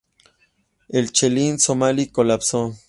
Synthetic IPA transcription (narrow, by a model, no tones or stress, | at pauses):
elt͡ʃelint͡somalikolapso